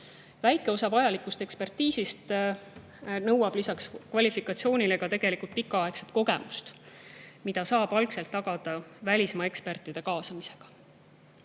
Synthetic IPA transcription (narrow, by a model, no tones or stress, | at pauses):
væjkːˑe̞o̞sɑvɑjɑlikːˑust̪e̞kspe̞rt̪ːiːsist̪ | nɤ̞wɑb̥lisɑkskvɑlʲifikːˑɑt̪sio̞ːnʲile̞ɡ̥ɑt̪e̞ɡ̥e̞likult̪̚pikːˑɑɑe̞kse̥t̪ko̞ɡe̞̰must̪ | mid̪̥ɑsɑːb̥ɑlkse̞lt̪ːɑɡ̥ɑd̪̥ɑvælʲismɑe̞kspert̪ːˑid̪̥e̞kɑːsɑmise̞ɡ̥ɑ̥